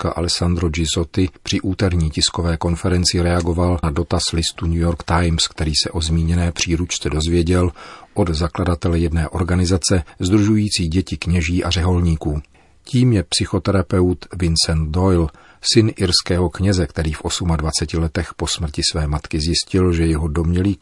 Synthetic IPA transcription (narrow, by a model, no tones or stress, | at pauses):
kaʔa̰lɛsand̪ɾod͡ʒɪzo̞t̪ɪpr̥ɪʔuːt̪ɛɾɲiːcɪsko̞vɛːko̞nfɛɾɛnt͡sɪɾɛaɡo̞valnado̞t̪aslɪst̪uɲujo̞ɾkt̪ajmskt̪ɛɾiːsɛʔo̞zmiːɲɛnɛːpr̥iːɾut͡ʃt͡sɛdo̞zvjɛɟɛlʔo̞d̪zakladat̪ɛlɛjɛdnɛːʔo̞ɾɡanɪzat͡sɛzd̪ɾuʒujiːt͡siːɟɛcɪkɲɛʒiːʔar̝ɛɦo̞lɲiːkuː | ciːmjɛpsɪxo̞t̪ɛɾapɛwt̪vɪnsɛnt̪̚dojl | sɪnʔɪɾskɛːɦo̞kɲɛzɛkt̪ɛɾiːfʔo̞sumadvat͡sɛcɪlɛt̪ɛxpo̞smr̩cɪsvɛːmat̪kɪzjɪscɪlʒɛjɛɦo̞do̞mɲɛliː